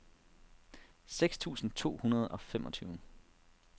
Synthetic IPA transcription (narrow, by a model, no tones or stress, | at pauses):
seɡ̥st͡sʰṵːsn̩t͡sʰo̝̰ːhunɐð̞ˠɒ̽fem̰ʔɒ̽t͡sʰyːʊ